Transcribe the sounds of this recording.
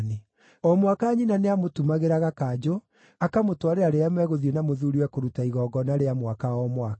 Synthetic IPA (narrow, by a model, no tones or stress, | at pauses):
ne | ɔmwakaːɲinaneamotumaɣeɾaɣakad͡ʒo | akamotwaɾeaɾeamɛɣoðienamoðuɾiwɛkoɾutaiɣɔːɡɔnaɾeamwakaɔmwak